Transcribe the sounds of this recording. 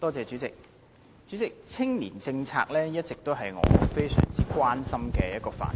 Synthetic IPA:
t̪ɔː˥t͡sɛː˨˧t͡ʃyː˨˥t͡sɪ˨k̚ | t͡ʃyː˨˥t͡sɪ˨k̚t͡sʰɪ˥ŋliː˨˩nt͡sɪ˧ŋt͡sʰa̰ː˧k̚lɛː˥jɐ˥t̚t͡sɪ˨k̚t̪o˥wɦɐ˨jŋɔ̰ː˨˧fe˥jsœ̰ː˨˩ŋt͡siː˥kwaː˥nsɐ˥mkɛː˧jɐ˦t̚kɔː˧fa̰ː˨˩n

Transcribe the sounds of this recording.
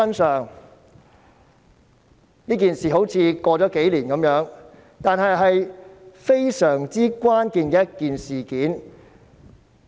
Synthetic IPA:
ɐ˥nsœː˨ŋ | niː˥k̬iː˨nsiː˨˩ɦo˨˥wt͡sʰiː˧kɔː˧t͡sɔː˨˥ke˨˥jliː˨˩nkɐ˨˧˥mjœː˨˥ŋ | t̪aː˨˧nɦɐ˨jɦɐ˨jfe˥jsœː˨˩ŋt͡siː˥kʷwaː˥nkiː˨˧nkɛː˧jɐ˥t̚kiː˨nsiː˨˩kiː˨˥n

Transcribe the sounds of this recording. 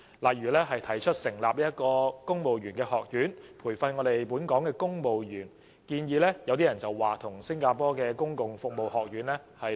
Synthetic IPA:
laː˨˩jyː˨˩lɛː˥ɦɐ˨jt̪ʰɐ˨˩jt͡ʃʰɵ˥t̚sɪ˨˩ŋlaː˨p̚liː˥jɐ˥t̚kɔː˧kʊ˥ŋmo˨wɥyː˨˩nkɛː˧hɔː˨k̚jyː˨˥npʰuː˨˩jfɐ˧nŋɔː˨˧t̪e˨jpuː˨˥nkɔː˨˥ŋkɛː˧kʊ˥ŋmo˨wjyː˨˩n | kiː˧njiː˧lɛː˥jɐ˧wt̪iː˥jɐ˨˩nt͡sɐ˨˩wwaː˨t̪ʰʊ˨˩ŋsɪ˥ŋkaː˧pɔː˥kɛː˧kʊ˥ŋkʊ˨ŋfʊ˨k̚mo˨whɔː˨k̚jyː˨˥nlɛː˥hɐ˨j

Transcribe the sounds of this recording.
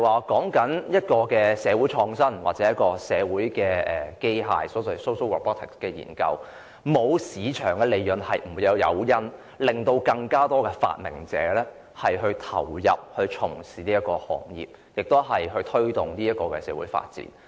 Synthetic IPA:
waː˨kɔː˨˥ŋkɐ˨˥njɐ˥t̚kɔː˧kɛː˧sɛː˨˧wuː˨˥jt͡ʃʰɔː˧ŋsɐ˥nwa̰ː˨t̚t͡sɛː˨˥jɐ˥t̚kɔː˧sɛː˨˧wuː˨˥jkɛː˧ʔɛː˨˩ke˥jɦa̰ː˧jsɔː˨˥sɐ˨˩so˥wso˥wɔ̰˨pɔː˥t̪ʰɪ˨kkɛː˧jḭː˨˩nkɐ̰˧w | mo˨˧wsiː˨˧t͡ʃʰœː˨˩ŋkɛː˧le˨˧jjɵ˨˩nhɐ˨jm̩˨˩u˨˧jɐ˨˧wjɐ̰˨˧wjɐ˥n | lɪ˨˩ŋt̪o˧wkɐ˧ŋkaː˥t̪ɔː˥kɛː˧fa̰ː˧t̚mɪ̰˨˩ŋt͡sɛ̰ː˨˥lɛː˥ | hɐ˨jɦɵ˧ɥt̪ʰɐ̰˨˩wjɐ̰˨p̚hɵ˧ɥt͡ʃʰʊ˨˩ŋsiː˨˩niː˥jɐ˥tkɔː˧hɔ̰ː˨˩ŋjḭː˨˩p̚ | jɪ˨k̚t̪o˥wɦɐ˨jɦɵ˧ɥt̪ʰɵ˥ɥt̪ʊ˨˩ŋniː˥jɐ˥t̚kɔː˧kɛː˧sɛ̰ː˨˧˥wṵ˨˥jfa̰ː˧t̚t͡sḭː˨˥n

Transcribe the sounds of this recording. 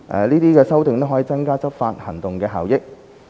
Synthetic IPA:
ʔɛ̰˨liː˥t̪iː˥kɛː˧sɐ˥wt̪ɪ˨˧ŋt̪o˥wɦɔː˨˥iː˨˧t͡sɐ˥ŋkaː˥t͡sɐ˥p̚faː˧t̚hɐ˨˩ŋt̪ʊ˨ŋkɛː˧ɦa̰ː˨˩wjɪ˥k̚

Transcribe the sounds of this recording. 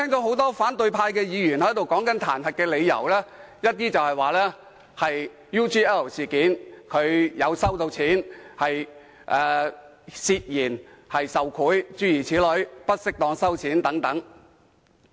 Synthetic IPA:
t̪ʰɛː˥ŋt̪oː˨˥ɦo˨˥wt̪ɔː˥faː˨˥nt̪ɵ˨˧ɥpʰaː˧jkɛː˧jiː˨˧jyː˨˩nhɐ˨˥jt̪o˨wkɔː˨˥ŋkɐ˨˥nt̪ʰaː˨˩nhɐ˨t̚kɛː˧le˨˧jɐ̰˨˩wlɛː˥ | jɐ˥t̚t̪iː˥t͡sɐ˨whɐ˨˩jwaː˨lɛː˥ | hɐ˨j | juː˥t͡ʃiː˥ɛ˥˩wsiː˨˩kiː˨˥nkʰɵ˨˧ɥjɐ˨˧wsɐ˥wt̪o˧wt͡sʰiː˨˥nhɐ˨j | ʔɛː˨ | siː˧t̚jiː˨˩nhɐ˨jsɐ˨wkʰuː˨˥jt͡ʃyː˥jiː˨˩t͡sʰiː˨˥lɵ˨˥ɥpɐ˥t̚sɪ˥k̚t̪ɔː˧ŋsɐ˥wt͡sʰiː˨˥nt̪ɐ˨˥ŋt̪ɐ˨˥ŋ

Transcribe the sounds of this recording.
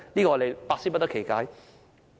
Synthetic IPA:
liː˥kɔː˧ɔ˧de˨jpaː˧t̚siː˥pɐ˥t̪ɐ˥kʰe˨˩jkaː˧˥j

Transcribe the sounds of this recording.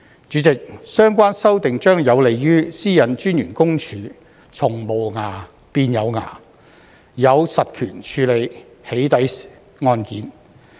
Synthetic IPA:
t͡ʃyː˨˥t͡sɪ˨k̚sœː˥ŋkʷaː˥nsɐ˥wt̪ɪ˨ŋt͡ʃœː˥ŋjɐ˨˧wle˨jjyː˥siː˥jɐ˨˧nt͡ʃyː˥nɥyː˨˩nkʊ˥ŋt͡ʃʰyː˨˥ | t͡sʰʊ˨˩ŋmo˨˩wŋaː˨˩ | piː˧njɐ˨˧wŋa̰ː˨˩ | jɐ˨˧wsɐ˨t̚kʰy̰ː˨˩nt͡ʃʰyː˨˧le˨˧j | he˨˥jt̪ɐ˨˥j | ŋɔː˧nkiː˨˥n

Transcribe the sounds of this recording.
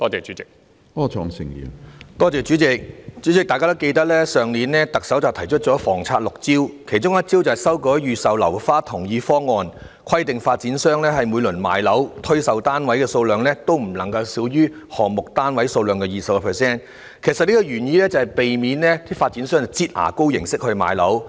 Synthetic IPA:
t̪ɔː˥t͡sɛː˨t͡ʃyː˨˥t͡sɪ˨k̚ | ɔː˧t͡ʃʰɔ̰ː˨˧˩ŋsɪ̰˨˩ŋjḭː˨˩t̪ɔː˥t͡sɛː˨t͡ʃyː˨˥t͡sɪ˨˧k̚t͡ʃy˨˥t͡sɪ˨k̚t̪aː˨jkaː˥t̪o˥wke˧jt̪̬ɐ˥k̚lɛː˥sœː˨ŋliː˨˥nlɛː˥t̪ɐ˨k̚sɐ˨˥wt͡sɐ˨wt̪ʰɐ˨˩jt͡ʃʰɵ˥t̚t͡ʃɔː˨˥fɔː˨˩ŋt͡sʰaː˧t̚lʊ˨k̚t͡siː˥wkʰe˨˩jt͡ʃʊ˥ŋjɐ˥t̚t͡siː˥wt͡sɐ˨˩hɐ˨˩sɐ˥wkɔː˨˥jyː˨˧sɐ˨wlɐ̰˨˩wfaː˥t̪ʰʊ˨˩ŋjiː˧fɔː˥ŋːɔː˧n | kʰɐ˥jt̪ɪ˨ŋfaː˧t̚t͡siː˨˥nsœː˥ŋlɛː˥ɦɐ˨jmuː˨˧jlɵ˨˩nma̰ː˨jlɐ˨˥wt̪ʰɵ˥ɥsɐ˨wt̪aː˥nwɐ˨˥jkɛː˧so˧wlœː˨ŋlɛː˥t̪o˥wm̩˨˩lɐ˨˩ŋkɐ˧wsiː˨˥wjyː˥ | hɔː˨˩mʊ˨k̚t̪aː˥nwɐ˨˥jso˧wlœː˨ŋkɛː˧jiː˨˩sɐ˨˩kɔ˧pʰɛː˨˩sɛː˥˩n | kʰe˨˩jsɐ˨t̚liː˥kɔ˧ɥyː˨˩njiː˧lɛː˥t͡sɐ˧hɐ˨˩jpe˨jmiː˨˥nlɛː˥t̪ʰiː˥faː˧t̚t͡siː˨˥nsœː˥ŋt͡sɐ˨t͡siː˥t̚ha̰ː˨˩ko˥wjɪ̰˨˩ŋsɪ˥k̚hɵ˧ɥma̰ː˨˧jlɐ˨˥w

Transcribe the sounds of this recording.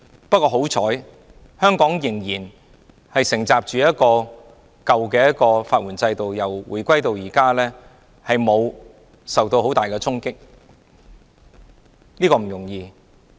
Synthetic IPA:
pɐ˥t̚kːɔː˧ɦo˨˥wt͡sʰɔː˨˥j | hœː˥ŋkɔː˨˥ŋjɪ˨˩ŋjiː˨˩n | hɐ˨jsɪ˨˩ŋt͡saː˨p̚t͡ʃyː˨˧jɐ˥t̚kɔː˧ | kɐ˨wkɛː˧jɐ˥t̚kɔː˧faː˧t̚wuː˨˩nt͡sɐ˧jt̪o˨wjɐ˨˩wwṵː˨˩jkʷɐ˥jt̪o˨wjiː˨˩kaː˥lɛː˥ | hɐ˨jmo˨˧w | sɐ˨wt̪o˧who˨˥wt̪aː˨˩jkɛː˧t͡sʰʊ˥ŋkɪ˥k̚ | niː˥kɔː˧m̩˨˩jʊ˨˩ŋjiː˧

